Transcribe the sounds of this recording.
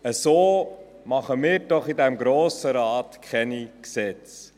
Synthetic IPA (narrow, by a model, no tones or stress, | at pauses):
əsoː | mɑχəmɪːɾdɔχidɛmɡɾoːsəɾɑːtkʰɛniksɛt͡s